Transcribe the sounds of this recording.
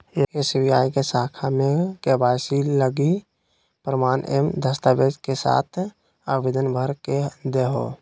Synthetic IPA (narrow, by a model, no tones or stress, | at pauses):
ekesɪbiaːĩkesaːkʰamekebaːsiləɡi | pɾəmaːnʔḛmd̪ʱəst̪abed͡ʒkesa̰ːt̪ʰ | əʋid̪ənbʱəɾked̪eɦo̰